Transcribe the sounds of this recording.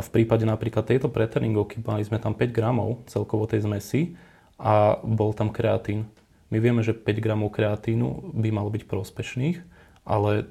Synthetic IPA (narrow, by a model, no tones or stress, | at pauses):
afpɾiːpaɟɛnapɾiːklat̪ːɛjt̪ɔpɾɛt̪ɛɾniŋɡɔʊkimalizmɛt̪ampɛɟɡɾamɔʊt͡sɛlkɔʋɔt̪ɛjzmɛsi | ʔabɔlt̪amkɾɛat̪iːn | miʋɪɛmɛʒɛpɛɟɡɾamɔʊkɾɛat̪iːnṵbimalɔbicpɾʊɔspɛʃniːx | ʔalɛ